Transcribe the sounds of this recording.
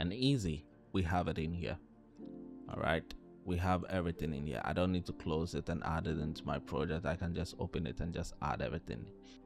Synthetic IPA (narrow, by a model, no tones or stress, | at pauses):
ɨ̃nizi | wiəvɨɾɨ̃nhḭɹ | ɔ̰lˠɹa̰ɪt | wiəvɛvɹiθɪ̃ŋɨ̰̃nhḭɹʔa̰ɪdõʊ̃nːid̚tʰukʰl̥oʊzɪtɨ̃nʔa̰ɾɪɾɪ̃ntʰumaɪpʰɹ̥ɑd͡ʒɛk̚taɪkɨ̃nd͡ʒʌstoʊpɨ̃nɨ̰tɨ̃nd͡ʒʌstæ̰ɾɛ̰vɹiθɪ̰̃ŋ